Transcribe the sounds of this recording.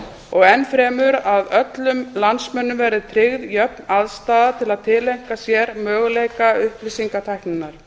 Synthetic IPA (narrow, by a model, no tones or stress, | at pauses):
ɔɣɛnːfɾɛːmʏɾaðœt̪lʏmlansmɛnːʏmvɛɾðɪt̪ʰɾɪɣðjœpnaðst̪aːðat̪ʰɪlaðt̪ʰɪlejŋ̥kasjɛɾmœːɣʏleːjkaʏhplisiŋkat̪ʰajhknɪnːaɾ̥